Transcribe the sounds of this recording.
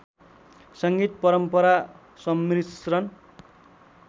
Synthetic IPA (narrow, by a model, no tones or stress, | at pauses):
sʌŋɡit̪̚pʌɾʌmpʌɾa | sʌmːrisrʌn